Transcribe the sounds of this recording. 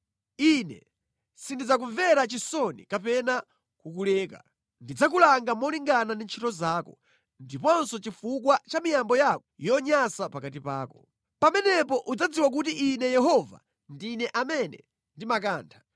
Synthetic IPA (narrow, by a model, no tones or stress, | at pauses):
inɛ̰ | sindid͡zak̬uɱvɛɾat͡ʃisɔnḭkapɛna | kukulɛːka̰ | ndid͡zak̬ulaŋɡamɔliŋɡanandint͡ʃʰitɔzaːkɔ | ndipɔnsɔt͡ʃifukwat͡ʃamijambɔjakɔ̥jɔɲasapakatipa̰ːkɔ | pamɛnɛpɔʔud͡zad͡ziwak̬utiʔinɛjɛɦɔva̰ | ndinɛʔamɛnɛ̰ | ndimak̬aːntʰḁ